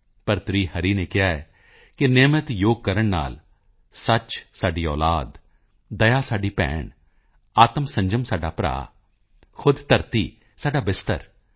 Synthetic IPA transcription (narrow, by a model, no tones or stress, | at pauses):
pəɾt̪ɾiːhəɾiːneːkɪaːɛː | kɪneːmət̪joːɡ̚kəɾəɳna̰ːl | sət͡ʃsaːɖiːɔːlaːd̪ | d̪əjaːsaːɖiːpɛ̰ːɳ | aːt̪əmsə̃ɲd͡ʒəmsaːɖaːpɾa̰ː | xʰʊd̪t̪əɾt̪ḭː | saːɖaːbɪst̪ə̰ɾ